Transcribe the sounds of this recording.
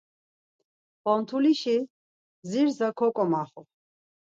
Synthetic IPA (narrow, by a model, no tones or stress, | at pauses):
pɔnt̪ʰuliʃi | ziɾzakʰɔkʼɔmaχɔ